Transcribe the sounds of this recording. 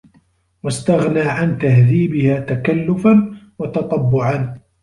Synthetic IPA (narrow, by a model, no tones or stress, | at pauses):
wast̪aɣnaːʕant̪ahðiːbɪhaːt̪akalːʊfan | wɑt̪ɑt̪ˤɑbːʊʕan